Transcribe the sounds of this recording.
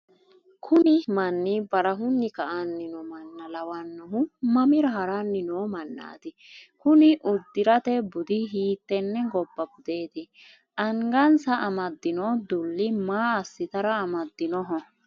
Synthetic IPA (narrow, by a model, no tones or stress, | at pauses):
kʰʊnɪmɐnːɪbɐɾɐɦʊnːɪkɐʔanːɪnɔmɐnːɐlɐwɐnːɔɦʊmɐmɪɾɐɦɐɾaːnːɪnoːmɐnːa̰ːd̪ɪ | kʊnɪʔʊd̪ːɪɾɐt̪ɛbʊd̪ɪɦiːt̪ːɛnːɛɡɔbːɐbʊd̪eːd̪ɪ | ʔɐŋɡɐnsɐʔɐmɐd̪ːɪnɔːd̪ʊlːɪmaːɐsːɪt̪ɐɾɐɐmɐd̪ːɪnɔɦɔ